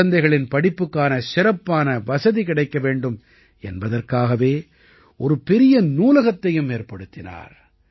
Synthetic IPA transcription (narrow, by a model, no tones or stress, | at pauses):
ɐnd̪ɐɪɣɐɭɪnpɐɽɪpːɯkːaːnɐsɪɾɐpːaːnɐʋɐsɐðikɪɽɐɪkːɐʋeːɳɖɯm | ɛ̰nbɐðɐrkaːɣɐʋeː | ʔɔɾɯpɛɾɪjɐnuːlɐɣɐt̪ːɐjɯmːeːrpɐɽɯt̪ːɪna̰ːɾ